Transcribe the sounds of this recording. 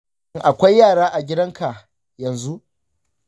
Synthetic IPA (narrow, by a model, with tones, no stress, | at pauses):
ŋʔa˨kʷa˦jːaː˦˨ɽaː˦ʔa˨ɡʲɪ˦dɐ˦ŋka˨ʔ | jɐ˨nzu˦ʔ